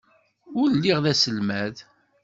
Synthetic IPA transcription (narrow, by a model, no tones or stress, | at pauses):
ʊɾlːiʁðæsəlmæð